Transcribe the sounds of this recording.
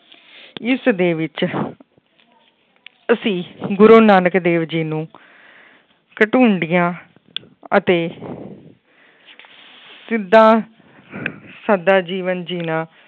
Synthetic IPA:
ɪsd̪eːʋɪt͡ʃ | əsĩːɡʊɾoːnaːnəkd̪eːʋd͡ʒiːnũː | kəʈuːɳɖɪjãː | ət̪eː | sɪd̪ːãː | səd̪aːd͡ʒiːʋənd͡ʒiːnãː

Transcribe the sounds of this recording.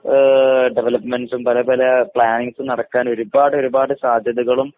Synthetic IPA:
ɖeʋɐlɐpːmenɖsumpɐlɐpɐlɐpɭaːniŋsɨnɐɽɐkːaːno̞ɾubaːɽɨo̞ɾubaːɽɨsaːd̪ʱjɐðuɣɐɭum

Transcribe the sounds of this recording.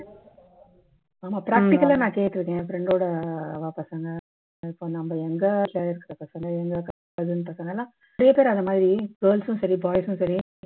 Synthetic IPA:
aːmaːpɪɾaːk̚ʈɪkːɐlaːnãːkeːjʈ̪ːɯɾɯkːẽːfɪɾɛɳɖoːɽɐʋɐːpɐsɐŋɡɐ | ɪpːonɐmbɐɛŋɡɐʈlaːɪɾɯkːɪɾɐpɐsɐŋɡɐɛŋɡɐkɐ | ʋɐðɯnɯpɐsɐŋɡɐlːãː | ɾɐjɐpeːɾɐnðɐmaːðɾiɡɐːɭsʊ̃sɐɾibaːjsʊ̃sɐɾi

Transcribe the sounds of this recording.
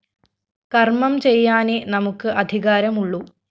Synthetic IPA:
kɐrmɐmt͡ɕejːaːnenɐmukːɨʔɐd̪ʱiɣaːɾɐmuɭːu

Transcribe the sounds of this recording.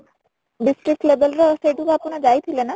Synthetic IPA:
ɖisʈɾik̚ʈlebelɾaʃeʈubʱaponad͡ʒajt̪ʰilena

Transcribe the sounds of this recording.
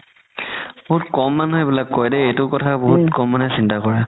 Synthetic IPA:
b̥oɦutkɔmːanɦɔjbilakːɔjdɛejtʊkɔtʰaboɦutkɔmːanɛsintakɔɹɛ

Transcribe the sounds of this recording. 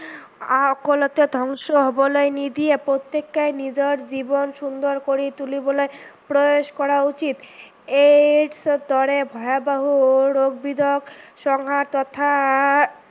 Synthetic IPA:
akolot̪ed̪ʱɔŋʃoɦɔbolɔenid̪iepɾot̪ːekːajnid͡ʑoɾd͡ʑibonʃund̪oɾkoɾit̪ulibolɔjpɾooʃkɔɾaut͡ɕit̪ | eɖsd̪ɔɾebʱɔeabaɦuoɾoɡ̚bid̪ʱokʃɔŋɦaɾt̪ɔt̪ʰa

